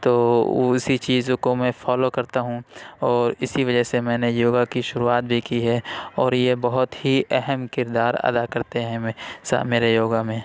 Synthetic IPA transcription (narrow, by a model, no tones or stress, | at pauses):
t̪oːsit͡ʃiːzkomɛ̃ːfʰɔːlokɐɾt̪aɦũɔːɾɪsiʋɐd͡ʒəɦsemɛ̃ːnejoːɡakiʃʊɾuaːt̪̚bʱikiɦɛːɔːɾjebɐɦʊt̪hiʔɛɦɛmkɪɾd̪aːɾɐ̰d̪akɐɾt̪eɦɛ̃sa̰meːɾejoːɡamẽː